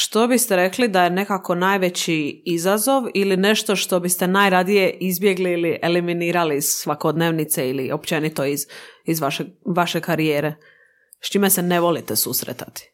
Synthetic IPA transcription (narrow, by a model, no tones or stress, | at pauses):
ʃt̪o̞bist̪eɾe̞klid̪aje̞ne̞kako̞naːjʋe̞t͡ɕiizazo̞ʋiline̞ʃt̪o̞ʃt̪o̞bist̪enajɾad̪ije̞ʔizbje̞ɡliiliʔeliminiːɾaliːz̥sʋakod̪neːʋnit̪seilḭo̞pt͡ʃe̞nit̪o̞izizʋaʃeʋaʃekaɾijeːɾe̞ | st͡ʃimeseneʋo̞lit̪esusɾḛt̪ḁ̰t̪i̥